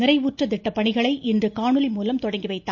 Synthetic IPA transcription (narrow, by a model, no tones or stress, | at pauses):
nɪrɐɪʋuːʈrɐt̪ɪʈːɐpːɐɳɪɣɐɭɐɪʔɪndrɯkaːɳɯlɪmuːlɐmt̪ɔɽɐŋɡiʋɐɪt̪ːaː